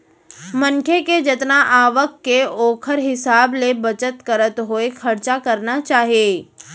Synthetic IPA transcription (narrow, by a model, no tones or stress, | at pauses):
mɐ̃ŋkʰeked͡ʒɐt̪naʔaːʋəkːeoːkʰəɾɦɪsaːblebɐt͡ʃət̪kɐɾət̪ɦoexʰɐɾt͡ʃakɐɾnat͡ʃaːɦijeː